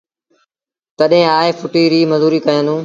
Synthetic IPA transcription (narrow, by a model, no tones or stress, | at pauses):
t̪əɗɦẽːaːefʰʊʈiːɾiːməzuːɾiːkəjə̃nd̪ũː